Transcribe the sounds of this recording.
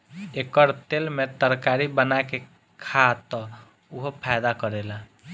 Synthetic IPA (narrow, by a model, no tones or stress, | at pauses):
ekəɾt̪elmet̪əɾkaɾibənake | kʰat̪ːɔ | uɦopʰajd̪akəɾela